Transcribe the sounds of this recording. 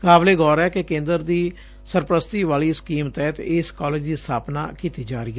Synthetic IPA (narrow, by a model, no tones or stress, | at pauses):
kaːbleːɡɔːɾɛːkekẽːnd̪əɾd̪iː | səɾpɾəst̪iːʋaːliːskiːmt̪ɛːt̪ɪskɔːleːd͡ʒd̪iːst̪ʰaːpna̰ːkiːt̪iːd͡ʒaːɾiːɛ